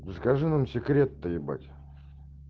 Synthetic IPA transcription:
səkɐʐɨnamsʲɪkɾʲet̪ːəjɪba̰tʲ

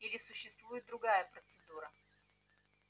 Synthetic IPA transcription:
ilʲɪsʊɕːɪst̪vujɪt̪̚d̪ɾʊɡajəpɾət̪sɨd̪uɾə

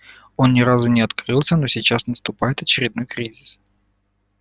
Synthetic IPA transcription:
o̞nnʲɪɾazʊnʲɪɐt̪kɾɨlˠsʲəno̞sʲɪt͡ɕasnəst̪ʊpajɪt̪ɐt͡ɕɪɾʲɪd̪̚no̞jkɾʲizʲɪs

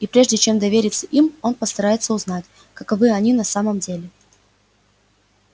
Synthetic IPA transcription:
ipɾʲe̞ʐdʲɪt͡ɕe̞md̪ɐvʲeɾʲɪt̪səʔimo̞npəst̪ɐɾajɪt̪səʊznatʲ | kɐkɐvɨɐnʲinɐsaməmdʲelʲɪ

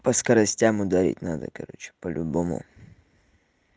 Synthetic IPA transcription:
pɐskɐɾɐsʲtʲamʊd̪ɐɾʲḭtʲnad̪ə̰kɐɾo̰t͡ɕɪ̥pəlʲʔʊbomʊ̰

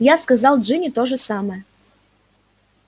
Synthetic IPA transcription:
jaskɐzɑlˠdʐɨnʲɪt̪oʐəsɑməjə

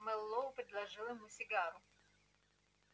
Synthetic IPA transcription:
mɛlˠːoʊpɾʲɪd̪lˠɐʐɨlˠɪmusʲɪɡaɾʊ

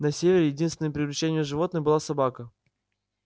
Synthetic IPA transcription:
nɐsʲevʲɪɾʲɪjɪdʲinst̪vʲɪnjəpɾʲɪvlʲɪt͡ɕːenʲɪjəʐɨvo̞t̪nɨxbɨlˠasɐbakə

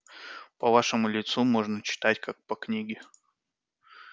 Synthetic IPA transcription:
pɐvaʂɨmʊlʲɪt̪sumo̞ʐnət͡ɕɪ̥t̪atʲkʰak̚pɐknʲiɡʲɪ

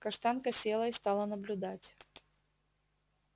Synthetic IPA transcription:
kɐʂt̪ankəsʲelˠəɪst̪alˠənəblʲʊd̪atʲ

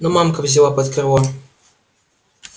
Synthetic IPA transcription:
nomamkɐvzʲɪlapɐt̪krva

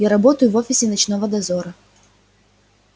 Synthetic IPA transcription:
jaɾɐbot̪əjʊvo̞fʲɪsʲɪnɐt͡ɕn̪o̞vəd̪ɐzoɾə

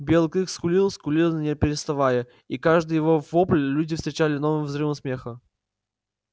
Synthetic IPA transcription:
bʲelˠkɨxskʊlʲilˠskʊlʲilˠnnʲepʲɪɾʲɪst̪avajə | ikaʐd̪ɨjɪvovoplʲlʲudʲɪfst̪ɾʲɪt͡ɕalʲɪnovɨmvzɾɨvəmsmʲexə

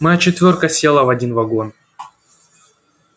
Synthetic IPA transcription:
mɐjat͡ɕɪt̪vʲo̞rkəsʲjelˠəvɐdʲinvɐɡo̞n

